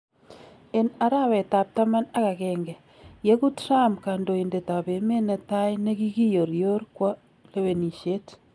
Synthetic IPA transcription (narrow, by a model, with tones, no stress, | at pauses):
e˨na˨ɾa˦wɛ˨ta˨p̚ta˦ma˦na˦ka˨kɛːŋɡɛ˨ | je˦ku˦tra˦mka˨ndo˨i˨nde˨ta˨pe˨me˦nɛ˨ta˦ine˦ki˦ki˦jo˨ɾjo˦ɾkwɔ˦ | le˦we˨ni˨ʃe˦t